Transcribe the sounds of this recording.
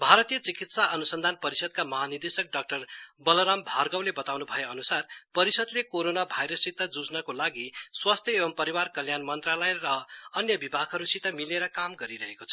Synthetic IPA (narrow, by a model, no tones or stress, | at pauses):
bʱaɾʌt̪ijʌt͡sikit̪saʔʌnusʌnd̪ʱanpʌɾisʌd̪̚kamʌɦanird̪esʌk̚ɖʌk̚ʈʌrbʌlʌɾambʱarɡʌwlebʌt̪awnubʱʌjeʌnusarpʌɾisʌd̪lekoɾonabʱajɾʌsːit̪ːad͡zud͡znʌkolaɡiswast̪ʰjʌebʌmpʌɾiwarkʌljanmʌnt̪ralʌjrʌːnjʌbibʱakɦʌɾusit̪amileɾʌkamɡʌɾiɾʌɦekot͡sʰʌ